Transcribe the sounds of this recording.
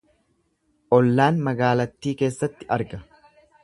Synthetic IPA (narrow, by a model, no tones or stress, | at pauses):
ʔɔlːaːnmɐɡaːlɐt̪ːiːke̞ːsːɐt̪ːɪʔɐɾɡɐ